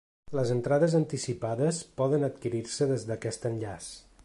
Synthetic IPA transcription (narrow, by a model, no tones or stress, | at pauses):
ləzənt̪ɾaðəzənt̪isipaðəspɔðənət̪kiɾiɾsəðezðəkɛst̪ənʎas